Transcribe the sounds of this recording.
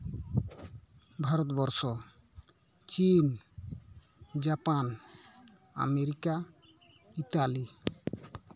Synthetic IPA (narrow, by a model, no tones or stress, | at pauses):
bʱaɾɔt̪bɔɾsɔ | t͡ʃin | d͡ʒapan | a̰meɾika | iʈali